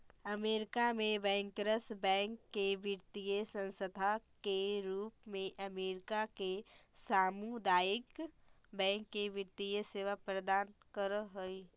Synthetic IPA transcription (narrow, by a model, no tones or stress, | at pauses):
ɐmeːɾɪkamẽbɛ̃ːŋkɾəsbɛ̃ːŋkːeʋɪɾt̪ijəsə̃nsəd̪ʱakeɾuːpmẽʔɐmeːɾɪkakesaːmud̪aːɪk | bɛ̃ːŋkːeʋɪɾt̪ijəseːʋapɾɐd̪aːnkəɾɦoi